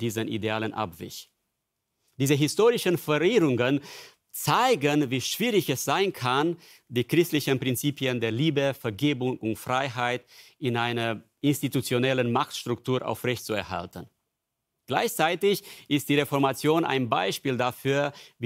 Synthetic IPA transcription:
d̥iːzənʔḭdeaːlənʔa̰pv̥ɪ̰ç | d̥iːzəɦɪstoːʁɪʃənfɛʁiːʁʊŋən | t͡saɪɡənviːʃv̥iːʁɪçɛsz̥aɪnkʰan | d̥iːkʁ̥ɪstlɪçənpʁ̥ɪnt͡siːpiəndeːɐliːbəfɛɐɡeːbʊŋʊntfʁ̥aɪɦaɪtɪnʔaɪnɐʔɪnstitut͡sjonɛlənmaχtʃtʁ̥ʊktʰuːɐʔa̰ʊfʁɛçtt͡suɛɐɦa̰ltən | ɡ̥la̰ɪçt͡saɪtɪçʔɪst̚d̥iːʁefɔɐmat͡sjoːnʔa̰ɪnbaɪʃpiːldafyːɐv

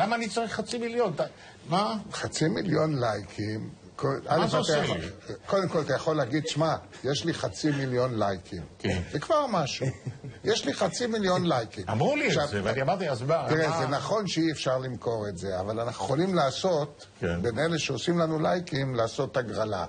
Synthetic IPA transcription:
lamaːnit͡saʁiχːat͡similjont̪a | maχat͡similjo̞nlajkʰim | koalefat̪aaoko̞d̪emko̞lat̪ajaχo̞leaɡid̪ʃma | jeʃliχat͡similjo̞nlajkʰimkevekvaʁmaʃujeʃliχat͡similjo̞nlajkimamʁuliʃavaniamaʁt̪iazbat̪iʁezenaχo̞nʃeiefʃaʁlimko̞ʁetze̞avalanaχneχolimlaːso̞t̪ | beneleʃeosimlanulajkimlaːso̞t̪aɡʁala̰

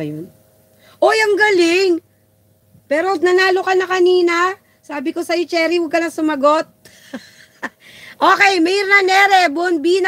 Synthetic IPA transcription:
jon | ʔo̞jɐŋɡɐlɪŋ | pɛːɾonɐnaːlokɐnɐkɐniːnɐ | saːbɪko̞sɐjot͡ʃɛːɾiwɐɡ̚kɐnɐsʊmɐɡo̞t̪̚ | ʔoːkɛjmɛjɪɾnɐnɛːɾɛbonbiːnɐ

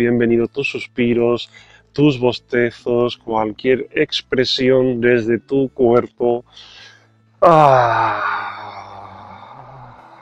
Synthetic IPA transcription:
je̞mbe̞niðot̪usːuspiɾo̞s | t̪uzβo̞st̪e̞θo̞skwalkje̞ɾekspɾe̞sjo̞nd̪e̞zðe̞t̪ukwe̞ɾpo | a

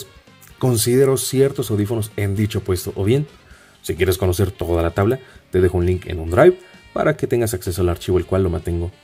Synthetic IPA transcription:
s | ko̞ns̬ið̞e̞ɾo̞sje̞ɾt̪o̞sawðifo̞no̞se̞nd̪it͡ʃo̞pwe̞st̪o̞ʔoβje̞n | sikje̞ɾe̞sko̞no̞se̞ɾt̪o̞ðalat̪aβlat̪e̞ðe̞xounliŋkḛnund̪ɾajβpa̰ɾake̞t̪e̞ŋɡas̬akse̞so̞alaɾt͡ʃiβo̞elkwalːo̞mãnt̪e̞ŋɡo̞

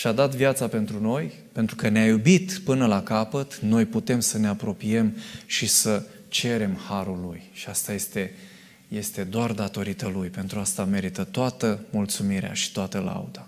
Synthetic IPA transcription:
ʃad̪at̪vjat̪sape̞nt̪ɾuno̞j | pent̪ɾukəneajubit̪pɨnəlakapət̪no̞jput̪e̞msəne̞apɾo̞pie̞mʃisə | t͡ʃe̞ɾe̞mhaɾulːujʃiast̪aje̞st̪e̞ | je̞st̪e̞d̪oard̪at̪o̞ɾit̪əlujpe̞nt̪ɾuast̪ame̞ɾit̪ət̪oat̪əmult̪sumiɾea̰ʃi̥t̪oat̪əla̰ud̪a

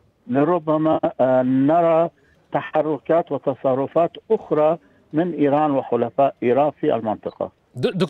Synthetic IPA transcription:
lɪɾʊbːamanɑɾˤɑ | t̪aħɑrˤːʊkaːt̪wɪt̪ɑsˤɑrˤːʊfaːt̪ʔʊxɾˤɑ | mɪnʔiːɾɑːnwɪxʊlafaːʔʔiːɾɑːnfiʔa̰lmɪnt̪ˤɨqɑ̰ | d̪

